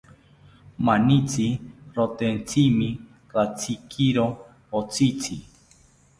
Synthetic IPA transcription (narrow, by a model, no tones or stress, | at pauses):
manit͡sʰiɾot̪ent͡sʰimĩ | ɾat͡sʰikʰiɾo | ot͡sʰit͡sʰi